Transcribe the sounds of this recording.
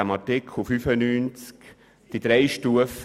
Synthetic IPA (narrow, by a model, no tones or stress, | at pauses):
amɑtɪkʰχufyfənyːnt͡sk | d̥id̪ɾɛɪʃtuəf